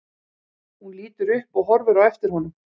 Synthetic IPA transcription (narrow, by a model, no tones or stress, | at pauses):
hunliːt̪ʏɾʏhpɔɣɦɔɾvʏɾawɛft̪ɪɾ̥hɔnʏm